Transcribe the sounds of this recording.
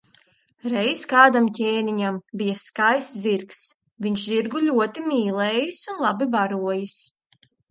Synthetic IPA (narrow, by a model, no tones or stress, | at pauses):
ɾɛjskaːd̪amcʲɛːniɲambijaskajsziɾks | viɲʃziɾɡulʲuɔt̪imʲiːlˠɛːjisunlˠabibaɾuɔjis